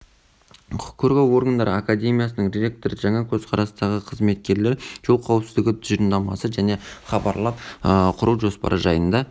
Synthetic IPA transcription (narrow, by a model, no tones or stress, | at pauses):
kʲʰɵɾɡʲewo̞ɾɡənd̪ɑɾəakad̪ʲe̞mʲijasənəɴɾʲeɾʲe̞k̚t̪o̞ɾəʒɑɴɑkʲʰɵz̥qʰɑɾɑsnɑʁəqʰəzme̞t̪̚kʲe̞ɾle̞ɾʒ̥olˠqʰɑwəpsɪzd̪ɪɡʲɪt̪ʰʏz̥iɾnd̪ɑmɑsəʒæne̞χɑbɑɾlˠɑpəqʰʊɾuwʒo̞spɑ̰ɾʔəʒɑjənd̪ɑ